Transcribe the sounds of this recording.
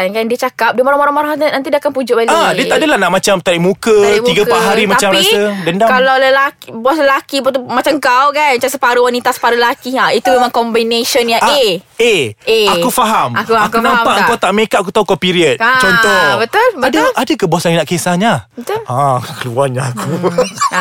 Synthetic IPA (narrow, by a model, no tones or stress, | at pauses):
nkandiət͡ʃakap̚dəmoɾamoɾãŋmaɾahat̪ənant̪̬idiakanpud͡ʒʊʔbaliadəaʔdəlahnaʔmat͡ʃamt̪aɾiʔmũkəiɡəpaʔɦaɾimat͡ʃamɾasədandakalawləlakbas̬ləlakibɔt̪umat͡ʃaŋkawkanat͡ʃasəpaɾəwanit̪asə̥paɾələlakiait̪umemãŋkɔmbinesɔnjaeeeakufaɦamakuakunãmpaʔəŋkawt̪aʔmekaʔak̬ut̪aɦukapiɾiət̪̚t͡ʃɔnt̪ɔbət̪ʊlbadəadəkəbasanjanaʔkesaɲaət̪ʊakəluaɲaaku